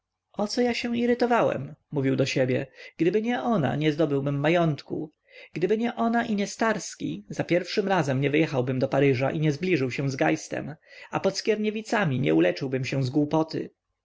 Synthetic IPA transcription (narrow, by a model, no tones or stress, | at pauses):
ʔɔt̪sɔjaɕɛ̃w̃iɾɘt̪ɔvawɛ̰mːuvʲiwd̪ɔɕɛbʲjɛ̰ɡ̥d̪ɘbɘɲɛʔɔna̰ɲɛzd̪ɔbɘwbɘmːajɔnt̪kṵ | ɡ̥d̪ɘbɘɲɛʔɔnaʔiɲɛst̪aɾskʲḭz̥apʲjɛɾfʂɘmɾazɛmɲɛvɘjɛxawbɘmd̪ɔpaɾɘʐa̰ʔiɲɛzblʲiʐɘwɕɛ̃w̃zɡajst̪ɛ̰mapɔt̪skʲɛɾɲɛvʲit̪samʲiɲɛ̰ulɛt͡ʂɘwbɘmɕɛ̃w̃zɡwupɔt̪ɘ̰